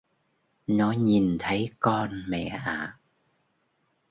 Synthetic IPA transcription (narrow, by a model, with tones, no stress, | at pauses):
nɔ˨˦ɲi˨˩nt̪ʰə˨˦jkɔ˧nmɛ̰˧˨ʔaː˨